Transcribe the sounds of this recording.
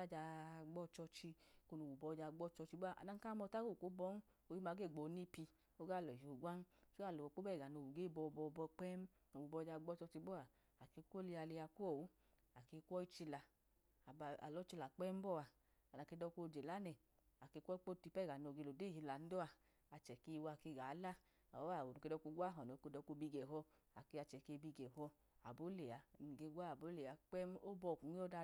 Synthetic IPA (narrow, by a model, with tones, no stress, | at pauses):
a˦˨d͡ʒa˧ɡ͡bɔ˦t͡ʃɔ˧t͡ʃi˧ko˧no˨wu˨bɔ˧d͡ʒa˧ɡ͡bɔ˦t͡ʃɔ˧t͡ʃi˧bɔ˦a˨ʔa̰˨na˧ŋ˦ka˦mɔ˧ta˦ɡo˦˨ku˨˦bɔ˦n˦ | o˧ji˦maː˧ɡe˦˨ɡ͡bo˨˦ni˦pi˧ | o˦ɡa˦˨lɔ˨o˨ɡʷa˦n˦su˦a˦˨lo˨k͡po˦bɛ˦˨ɡa˨no˧˨u˨ɡe˦˨bɔ˧bɔ˧bɔ˧k͡pɛ˦m˦no˨wu˨bɔ˧d͡ʒa˧ɡ͡bɔ˦t͡ʃɔ˧t͡ʃi˧˦bɔ˦a˨ | a˨ke˧˦kʷo˦li˧a˧li˧ja˧kʷo˦˨wu˨˦ | a˨ke˧˦kʷɔ˦i˦t͡ʃi˧la˨ | ba˧˨a̰˨lɔ˨˦t͡ʃi˧la˨k͡pɛ˦m˦bɔ˦˨a˨ | a˨na˨ke˧˦dɔ˧ko˧˨d͡ʒe˨la˨˦nɛ˨ | a˨ke˧kʷɔ˦k͡po˦ti˧pɛ˦˨ɡa˨no˨˧˨ɡe˧lo˨de˦˨hi˧la˨n̩˦do˦a˧ | a˧t͡ʃɛ˨ke˧wa˧˨ke˧˨ɡa˨˦la˦ | a̰˨wɔ˦a˦˨o˨nu˨ke˧dɔ˧ku˧˦ɡʷa˦ɦɔ˨no˨ke˧dɔ˧ko˧bi˧ɡɛ˨ɦɔ˧ | a˨ke˧a˧t͡ʃɛ˨ke˧bi˧ɡɛ˨hɔ˧ | a̰˨bo˨˦le˨a˨n˨ɡe˧˦ɡʷa˦a˨bo˨˦le˨a˧k͡pɛ˦m˦o˦bɔ˧˨ku˨˦i˦o˦da˧